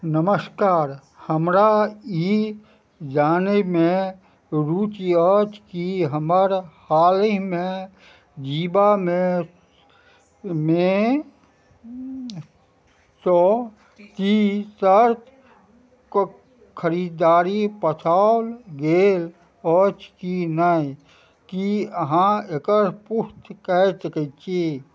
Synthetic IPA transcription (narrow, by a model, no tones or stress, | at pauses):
nəməskaːɾ | həmɾai | d͡ʒaːnemẽ | ɾuːt͡ʃiət͡ʃkiɦəməɾhaːliɦmẽ | d͡ʒiːbamẽ | mẽ | sɔ | t̪isəɾt̪ | kʰəɾiːd̪d̪aːɾipətʰalɡeːl | ɔt͡ʃkinəi | kiəɦãekəɾpust̪kɛtəkət͡ʃe